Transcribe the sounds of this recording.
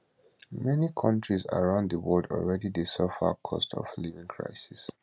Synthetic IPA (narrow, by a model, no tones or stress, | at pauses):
mɛnikʰʌ̃ntɹiza̰ɹãʊ̃nðəwɔldɔ̰lɹɛdidesɔfa̰kʰɔ̰stʰɔ̰flivĩŋkʰɹa̰ɪsis